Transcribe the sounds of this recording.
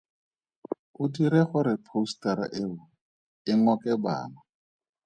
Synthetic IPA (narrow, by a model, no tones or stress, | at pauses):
ʊtiɾeχʊɾɪpʰoustaɾa̰ʔeʊ | ɪŋɔkɛba̰ːna